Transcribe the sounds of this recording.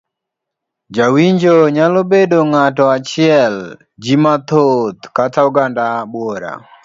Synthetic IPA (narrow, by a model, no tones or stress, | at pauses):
d͡ʒawiɲd͡ʒoɲalobedoŋatɔat͡ʃɪɛl | d͡ʒimat̪ot̪katauɡandabwoɾa̰